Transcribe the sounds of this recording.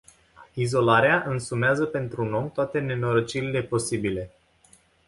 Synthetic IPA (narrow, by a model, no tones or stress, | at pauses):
izo̞laɾeaʔɨnsumeazəpe̞nt̪ɾuno̞mt̪oat̪e̞ne̞noɾət͡ʃiɾile̞po̞sibile̞